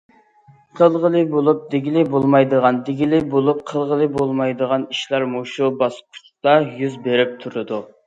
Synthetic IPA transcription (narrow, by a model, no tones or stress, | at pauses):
qʰəlˠʁəlˠɨbolˠup̚d̪eɡʲilɪbolˠmɑjd̪əʁɑnd̪eɡʲilɪbolˠup̚qʰəlˠʁəlˠɨbolˠmɑjd̪əʁɑniʃlˠɑɾmuʃubɑspʰu̥ʊ̥t̪ɑjyzbeɾɪp̚t̪ʰuɾɨd̪u